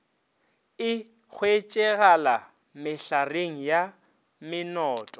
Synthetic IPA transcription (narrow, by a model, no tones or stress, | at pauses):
ɪ | χwet͡ʃʼɛɣala | mɪɬareŋ̩ja | mɪnɔːtʼɔ